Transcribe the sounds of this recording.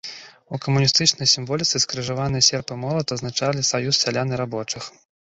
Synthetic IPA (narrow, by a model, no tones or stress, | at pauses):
ukɐmunʲist̪ɨt͡ʂnɐjsʲimvɔlʲit̪sɨskɐɾɨʐavanɨjɐsʲɛrpɨmɔlˠɐt̪ɐznat͡ʂalʲisajusːʲalʲanɨɾabɔt͡ʂɨx